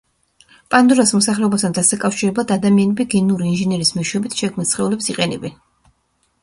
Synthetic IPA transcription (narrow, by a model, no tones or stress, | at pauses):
pʼand̪uɾasmɔsaχlɛɔbast̪ʰand̪asakʼafʃiɾɛblˠad̪ad̪amianɛbiɡɛnuɾiːnʒɛnɛɾismiʃɛbit̪ʰʃɛkʰmnisχɛulɛpsiqʼɛnɛbɛn